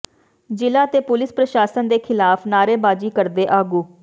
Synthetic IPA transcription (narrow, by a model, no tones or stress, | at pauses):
d͡ʒɪlaːt̪eːpʊlɪspɾəʃaːsənd̪eːkʰɪlaːpʰnaːɾeːbaːd͡ʒiːkəɾd̪eːʔaːɡuː